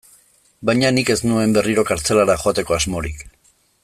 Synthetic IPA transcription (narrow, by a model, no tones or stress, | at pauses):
bajɲanike̞znue̞mbe̞riɾo̞kaɾt͡se̞laɾaxoat̪e̞ko̞azmo̞ɾik